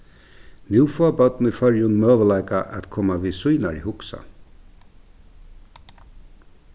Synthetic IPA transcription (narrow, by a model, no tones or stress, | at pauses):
njuːfɔːbœt̪nifœɹjʊnmøːʋəlaɪkaʔæ̰t̪kʰoːmaʋiːsujnaɾḭhʊksa̰